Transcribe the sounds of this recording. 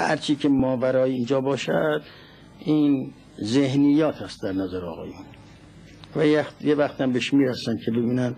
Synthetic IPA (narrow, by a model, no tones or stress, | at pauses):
hhæ̰ɾt͡ʃʰiːkʰemɒːvæɾɒːjeiːnd͡ʒɒːbɒːʃæd̪ | iːn | zehnijːɒːt̪ʰæst̪̚d̪æɾnæzæɾeɒ̰ːɣɒ̰ːjun | væjæxt̪jevæxt̪æmbeʃmiːɾæsænd̪̚kʰe̞bebiːnænd̪